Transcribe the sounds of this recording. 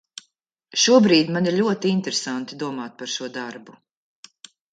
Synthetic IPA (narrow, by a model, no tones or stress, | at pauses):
ʃuɔbɾiːd̪ʲmaniɾʎʲuɔt̪int̪eɾesant̪id̪uɔmaːt̪̚paɾʃuɔd̪aɾbu